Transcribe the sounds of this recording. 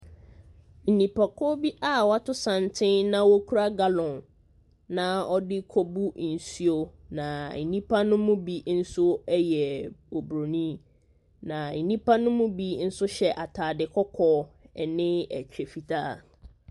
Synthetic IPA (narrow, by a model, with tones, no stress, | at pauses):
n̩˨nĩ˨pʰa˨kʰɔ˦bi˦ʔa˦˨wa˦tʰʊ˦sã˨ntʰɪ̃˦nnã˦wɔ˦kʰu˦ɾa˦ɡa˦lɔ̃˨n | nã˦ɔ˦dɪ˦kʰɔ˦bu˦n̩˨si˦o˦nã˨nĩ˦pʰa˦nʊ̃˦mũ˦bi˨n̩˦sʊ˦ɛ˦jɛ˨o˨bɾo˨nĩ˦ | nã˨n̩˨nĩ˦pʰa˦nʊ̃˦mʊ̃˦bi˦n̩˦sʊ˦ɕɛ˨ʔa˨tʰaː˨dɪ˨kʰɔ˦kʰɔː˦ɛ˨nɪ̃˦æ̰˨t͡ɕᶣe˨fi˨tʰaː˦˨